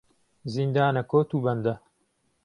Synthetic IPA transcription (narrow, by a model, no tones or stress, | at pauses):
zind̪aːnɐkoːt̪uːbɐnd̪ɐ